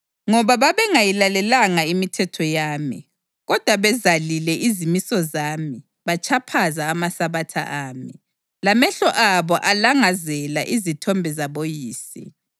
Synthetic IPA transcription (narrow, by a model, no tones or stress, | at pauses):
ŋɔβaβaβɛŋajilalɛlaŋaimitʰɛtʰɔjaːmḭ | ɣɔd̥ʱwaβɛzalilɛʔizimisɔzaːmi | βat͡ʃʰapʰazaːmasaβatʰa̰ʔaːmi | lamɛɬɔʔaβɔʔalaŋazɛlaʔizitʰɔmbʱɛzaβojiːsḭ